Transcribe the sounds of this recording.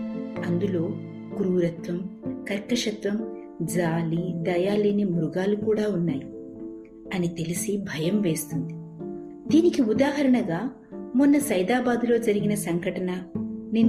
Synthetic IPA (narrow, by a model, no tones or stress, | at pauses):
ɐnd̪ulo̞ː | ɡ̥ɾuːɾɐt̪ʋɐmkɐɾkːɐʂɐt̪ʋɐm | d͡ʒaːlid̪ɐjaːleːnimuɾuɡaːlukuːɽaːunːaːji | ɐnit̪e̞lisibʱɐjɐmʋe̞ːst̪und̪i | d̪iːnikiud̪aːɦɐɾɐɳɐɡaː | munːɐsɐjd̪aːbaːd̪ulo̞ːd͡ʒɐɾiɡinɐsɐŋɡɐʈɐnɐninː